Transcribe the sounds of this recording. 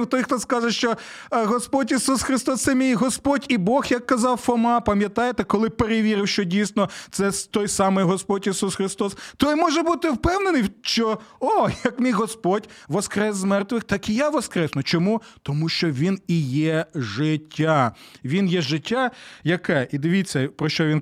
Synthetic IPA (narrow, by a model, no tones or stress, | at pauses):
wt̪ɔjxt̪ɔskɑʒɛʃt͡ʃɔɦɔspɔdʲisusxɾɪst̪ɔst̪sɛmʲijɦɔspɔdʲibɔxjɐkːɐzɑwfɔmɑpɐmʲjɐt̪ɑjet̪ɛkɔlˠɪpeɾeʋʲiɾɪwʃt͡ʃɔdʲijsnɔt̪sɛt̪ɔjsɑmɪjɦɔspɔtʲisusxɾɪst̪ɔst̪ɔjmɔʒɛbut̪ɪwpɛwnenɪjʃt͡ʃɔɔjjɐkmʲijɦɔspɔdʲʋɔskɾɛszmɛrt̪ʋɪxt̪ɑkijaʋɔskɾɛsnɔt͡ʃɔmut̪ɔmuʃt͡ʃɔʋʲinijɛʒɪtʲʰːaʋʲinjɛʒɪtʲːajɐkɛʔid̪ɪʋʲit͡sʲːɐpɾɔʃt͡ʃɔʋin